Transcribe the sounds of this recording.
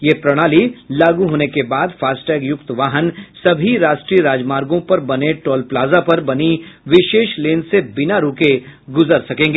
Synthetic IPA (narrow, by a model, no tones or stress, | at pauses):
jepɾɐɽ̃aːlilaːɡuɦoːnekebaːd̪faːsʈɛːɡjʊkt̪ʋaːɦənsɐbʱiɾaːʃʈɾiɾaːd͡ʒmaːɾɡõpɐɾbɐneʈɔːlplaːzapɐɾbɐniʋɪʃeːʃleːnsebɪnaɾoːkeɡʊzəɾsɐkẽːŋɡeː